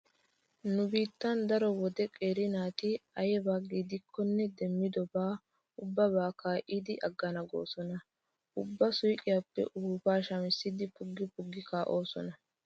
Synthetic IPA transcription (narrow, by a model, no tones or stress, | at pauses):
nʊbiːt̪ːɐnd̪ɐɾɔwɔd̪ɛkʼeːɾɪnaːt̪ɪɐjɛbaːɡiːd̪ɪkʰːɔnːɛd̪ɛmːɪd̪ɔbaː | ʊbːɐbaːkaːʔiːd̪ɪʔɐɡːɐnɐɡo̰ːsɔnɐ | ʔʊbːɐsʊjkʼɪjapːɛ̰ʔʊhuːfaːʃɐmɪsːɪd̪ɪpʊɡːɪpʊɡːɪkaːʔo̞ːsɔ̰nɐ